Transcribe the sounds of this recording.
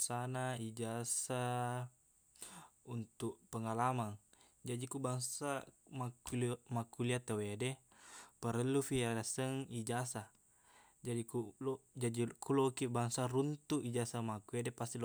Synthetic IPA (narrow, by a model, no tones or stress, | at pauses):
sanaid͡ʒasa | unt̪uʔpəŋalamaŋ | d͡ʒadikubaŋsamakulmakuliat̪əwede | pəɾəlːufiadasəŋid͡ʒasa | d͡ʒadikud͡ʒadikulokibaŋsaɾunt̪uʔid͡ʒasamakuedepast̪il